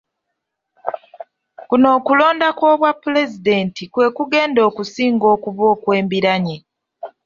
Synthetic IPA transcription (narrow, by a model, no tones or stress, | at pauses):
kuno̞ːkulo̞ːndako̞ːβwapːule̞zide̞ntikwe̞ːkuɡe̞ːndo̞ːkusiːŋɡo̞ːkuβo̞ːkwe̞ːmbiɾaɲe